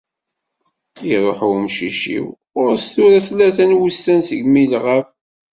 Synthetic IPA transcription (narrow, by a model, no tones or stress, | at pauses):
iɾˤoħʊmʃiʃḭw | ʊɾst̪uɾæθlːæθænwusːænsəɡmilʁəf